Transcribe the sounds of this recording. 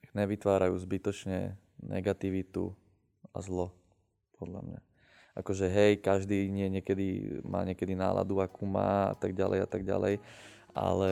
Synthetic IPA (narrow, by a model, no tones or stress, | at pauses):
ɲɛʋit̪ʋaːɾajṵːzbit̪ɔt͡ʃɲɛ̰ | nɛ̰ɡat̪iʋit̪ṵ | a̰zlɔ | pʰɔd̪la̰mɲa | ʔakɔʒɛɦɛjkaʒd̪iːɲɪɛɲɪɛkɛd̪imʔa̰ːɲɪɛkɛd̪inaːlʔa̰d̪uakumaːa̰t̪aɡɟalɛ̰jat̪aɡɟa̰lɛ̰j | a̰lɛ